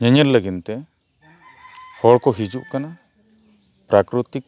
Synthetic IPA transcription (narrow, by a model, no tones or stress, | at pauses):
ɲɛɲɛɾləɡint̪ɛ | hɔɽkɔɦid͡ʒuʔkana | pɾakɾut̪ik̚